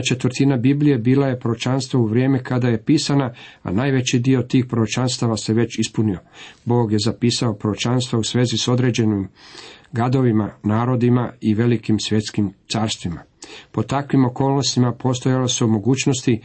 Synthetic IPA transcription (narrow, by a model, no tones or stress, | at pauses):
t͡ʃe̞t̪ʋəɾt̪inabiblʲije̞biːlaje̞pɾoot͡ʃanst̪ʋauʋɾje̞ːmɛkad̪aje̞piːsanaa̰naːjʋe̞t͡ɕid̪io̞t̪iːxpɾoɾot͡ʃanst̪aʋase̞ʋe̞t͡ɕispuniobo̞ːɡje̞zapiːsao̞pɾoot͡ʃanst̪ʋausʋe̞ːziso̞d̪ɾe̞ːd͡ʑe̞nimɡad̪o̞ʋimanaːɾo̞d̪imaiʋe̞likimsʋje̞t̪skimt̪saːɾst̪ʋima̰po̞t̪akʋimo̞ko̞ːlˠnost̪imapo̞st̪o̞jaloseumo̞ɡuːt͡ʃno̞st̪i